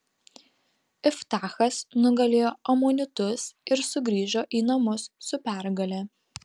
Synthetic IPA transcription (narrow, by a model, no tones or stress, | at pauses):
ɪft̪ɑːxɐsnʊɡɐlʲeːjoːʔɐmoːnʲɪt̪ʊsɪɾsʊɡɾʲiːʒoːʔiːnɐmʊsːʊpʲæˑɾɡɐlʲɛ